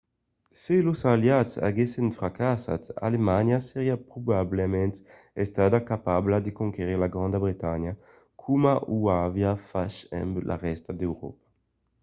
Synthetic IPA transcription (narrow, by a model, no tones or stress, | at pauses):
selosaljat̪sa̰ɡesenfɾakasa̰t̪a̰lemaɲjaseʁiapɾubablemɛ̃nt̪ | est̪ad̪akapablad̪ekoŋkeʁiʁlaɡɾãnd̪abɾit̪aɲja | kʰumaʔuavjafaʃɛ̰mblʔa̰ʁɛst̪ad̪ewɾɔ̰pḁ